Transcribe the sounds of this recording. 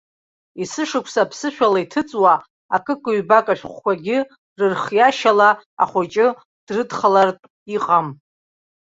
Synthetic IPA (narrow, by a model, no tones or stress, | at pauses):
isɨʂɨkʷʰsapʰsɨʃᶣalaitʰɨt͡sʼwa | akʼɨkʷʼɨɥbakʼaʃᶣχʷkʷʰaɡʲɪ | rɨrχjaʃalaa̰χʷat͡ʃʼɪ | d̥rɨdχalartʼ | iqʼam